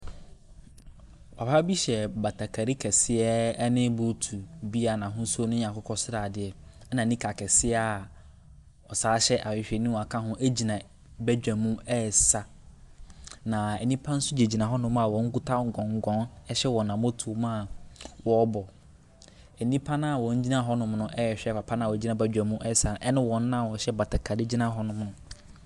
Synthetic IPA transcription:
ɔ˨paː˦bi˦ɕɛ˨ba˨tʰa˨kʰa˨ɾi˦kʰɛ˨sɪ˦ɛ˦nɪ̃˦bʊ˨˦tʰu˨bi˦a˨nã˨ɦʊ̃˦snʊ̃˦ɲã˨kʊ˦kʰɔ˦sɾaː˨dɪ˨ɛ˨ɛ˦nã˨nĩ˦kʰa˨kʰɛ˨sɪ˦ɛ˦a˨ | ɔ˨saː˨˦ɕɛ˦ʔa˨wɪ˨ɕᶣɛ˨nĩ˦˨a˨kʰã˦ɦʊ̃˦ʔe˦d͡ʑi˨nã˨ | bæ˦d͡ʑᶣã˨mũ˦ɛ˦˨sa˨ | nã˨ɛ˨nĩ˦pʰã˦n̩˦sʊ˦d͡ʑe˨d͡ʑi˨nã˨ɦɔ˦nʊ̃˦m˦a˨wɔ̃˨˦ŋ̩˦ɡu˦tʰa˦ŋ̩˨ɡɔ̃˨ŋ̩˨˦ɡɔ̃˨˦nɛ˦ɕɛ˦wɔ˨nã˨mõ˦tʰu˨˦mã˦˨wɔ˨˦bɔ˨ | ɛ˨nĩ˦pʰã˦nã˦˨wɔ̃˨ɲ̩˦d͡ʑi˦nã˦ɦɔ˦nʊ̃˨˦mnʊ̃˦ʔɛ˦ɛ˨ɕᶣɛ˦pa˨pʰã˦nã˦˨wɔ˨˦d͡ʑi˦nã˨bæ˦d͡ʑᶣæ̃˨mũ˦ʔɛ˦˨sa˨ɛ˦nʊ̃˦wɔ̃˨n̩˦nã˦˨ɔ˨ɕɛ˦ba˨tʰɛ˨kʰa˨dɪ˦d͡ʑi˦nã˦ɦɔ˦nʊ̃˦mnʊ̃˦

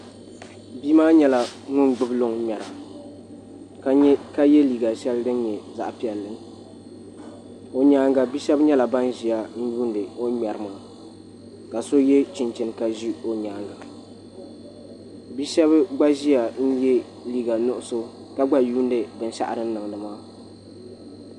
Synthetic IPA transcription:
biː˦maː˦ɲɛ˦la˨ŋʊ˦nɡ͡bɨ˦blo˦ŋ˦mɛ˨ɾa˨˦ | ka˦jɛ˦liː˨ɡa˨ʃɛ˦ldɨ˦n˦ɲɛ˨za̰˨ʔpi˦ɛ˨lːɨ˦ŋ˦ | o˨ɲaː˦ŋɡa˨bi˦ʃɛ˦bɲɛ˦la˨ba˦n˦ʒi˨ja˨n̩˦juː˦ndɨ˨o˦mɛ˨ɾɨ˨maː˨ | ka˨so˦jɛ˦t͡ʃɪ˨nt͡ʃɪ˨nka˨ʒi˦o˦ɲaː˨ŋɡa˨ | bi˦ʃɛ˦bɨ˦ɡ͡ba˦ʒi˦a˨n̩˦jɛ˦ | liː˨ɡa˨nʊ˦ʔʊ˦so˦ | ka˦ɡ͡ba˦juː˦n˦dɨ˨bɨ˨n˦ʃa̰˦ʔɾɨ˦n̩˦nɨ˨ŋ˨nɨ˨maː˦

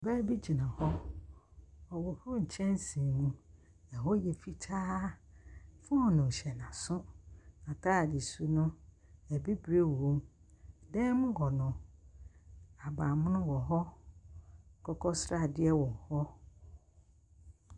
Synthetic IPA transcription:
bɛː˦bi˦d͡ʑi˨nã˨hɔ˦ | ɔ˨wɔ˨hʊ˦ɲ̩˨t͡ɕʰɛ̃˦n˦sĩ˨nũ˦ | ɛ˨ɦɔ˦jɛ˨fi˦tʰaː˦ | fʊ˦ɔ˨nʊ̃˨ɕɛ˨n˨ã˨sʊ̃˦nã˨tʰaː˦˨dɪ˨su˦nʊ̃˦ | ɛ˨bi˦bɾe˦˨õ˦mdɛ̃˦mʊ̃˦ɡɔ˨nʊ̃˨ | a˨ba˨mʊ̃˦nʊ̃˦wɔ˨ɦɔ˦˨ | kʰɔ˦kʰɔ˦sɾa˦˨dɪ˦ɛ˦wɔ̃˨ŋ˨hɔ˦

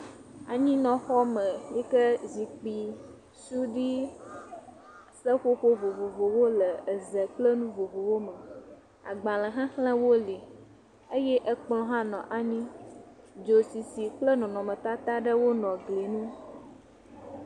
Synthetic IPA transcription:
a̰˨ɲĩ˦nɔ̃˨xɔ˦mə˨jɛ˦kə˦zi˨k͡pi˨ | su˦ɖi˦ | sə˦ɸo˦ɸo˦vo˨vo˨vo˨wo˦lə˨ə˨zə˨k͡plə˦nũ˦vo˨vo˨wo˦mə˨ | a̰˨ɡ͡bã˨lə˨ɦã˦xlə̃˦wo˦li˨ | ə˦jɛ˦ʔə˦k͡plɔ̃˦ɦã˦nɔ̃˨ʔa˨ɲĩ˦ | d͡ʒo˨si˨si˨k͡plə˦nɔ̃˨nɔ̃˨mə̃˨t̪a˦t̪a˦ɖə˦wo˦nɔ̃˨ɡli˨nũ˦

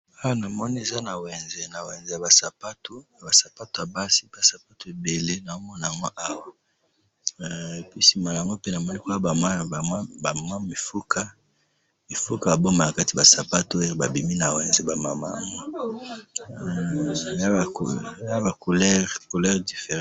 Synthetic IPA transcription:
a˦wa˦na˨mɔ˦ni˦e˨za˦na˨wɛ˨nze˨na˨wɛ˨nze˨ja˨ba˨sa˨pa˦to˦a˨ba˨sa˨pa˦to˨a˨ba˦si˦ba˨sa˨pa˦to˨e˨be˨le˦na˨o˦mɔ˦na˨a˨ŋɡo˦ʔa˦wa˦ | pi˦si˨ma˨la˨ŋɡo˦pe˦na˨mɔ˦ni˦ka˦a˦a˨˦˨ba˨ma˦mi˨fu˦kʰa˦ | mi˨fu˦ka˨a˨bo˦ma˨na˨ka˦ti˨ba˨sa˨pa˦to˨˦o˦˨˦ba˨bi˨mi˦na˨wɛ˨nze˦ba˨ma˨ma̰˦˨ŋo˦˨˦ | kja˦ba˨ko˨lɛ˦ʁko˨lɛ˦ʁdi˨fe˨ʁ

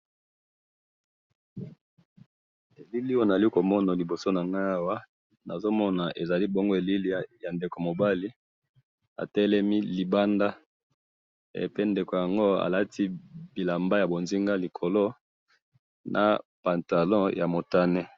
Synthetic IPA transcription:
e˨li˦li˦o˦na˨li˦ko˨mɔ˦na˨li˨bo˨so˦na˨ŋɡa˦a˦wa˦ | na˨zo˦mɔ˦na˨ʔe˨za˨li˦bo˦ŋɡo˦e˨li˦li˦ja˨nde˨ko˨mo˨ba˦li˦ | a̰˨tɛ˦lɛ˦mi˦li˨ba˦nda˦˨ | pe˦nde˨ko˨ja˨ŋɡo˦a̰˨la˦tʰi˦bi˨la˨mba˦ja˨bo˨nzi˦ŋɡa˦li˨kʰo˨lo˦ | nʔa̰˨pa˨nta˨lɔ̃˦ja˨mo˨ta˦nɛ˦

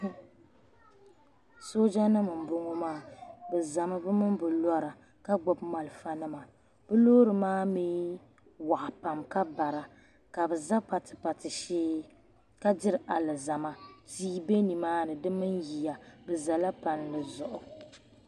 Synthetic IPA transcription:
so˦d͡ʒa˦nɨ˦mɨ˨m˨bʊ˦ŋo˦maː˦bɛ˨za˨mɨ˦bɨ˦mɨ˦mbɨ˨la˦ɾa˨ | ka˦ɡ͡bɔ˨bma˨lfa˦nɨ˦ma˨ | b̥ɨ˦lo˦ɾɨ˨maː˦miː˦ | wa˨ʔa˨pa˨mka˦ba˨ɾa˨ | ka˨bɨ˨za˦pa˨tɨ˨pa˨tɨ˨ʃiː˦ | ka˦dɪ˦ɾɨ˨ʔa˨lɨ˨za˨ma˦tiː˦be˦ni˨maː˦nɨ˨dɨ˦mɨ˦nji˨ja˨bɛ˨za˨la˦pa˨nlɨ˨zʊ˨ʔʊ˨

